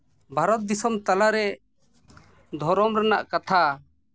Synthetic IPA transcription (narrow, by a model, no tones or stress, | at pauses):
bʱaɾɔt̪̚d̪isɔmt̪alaɾɛ | d̪ʱɔɾɔmɾanaʔkat̪ʰa